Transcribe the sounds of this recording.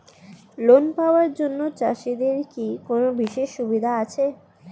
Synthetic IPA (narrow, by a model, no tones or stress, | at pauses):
lonpaoaɾd͡ʑonːot͡ɕaʃid̪eɾkikonobiʃeʃːubid̪ʱaat͡ɕʰe